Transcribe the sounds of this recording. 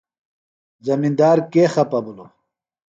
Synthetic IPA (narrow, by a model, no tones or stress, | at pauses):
zɐmind̪aːɾkeːxɐpɐbulo